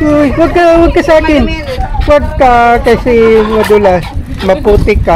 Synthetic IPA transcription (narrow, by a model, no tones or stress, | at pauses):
ojwɐɡ̚kɐwɐɡ̚kɐsaːkɪn | wɐɡ̚kakɐsɛŋɐd̪ʊlas | mɐpuːt̪ɪkːa